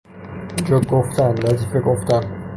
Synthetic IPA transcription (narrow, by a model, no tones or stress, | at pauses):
ind͡ʒɒɡoft̪ʰæmlæzifeɡoft̪æm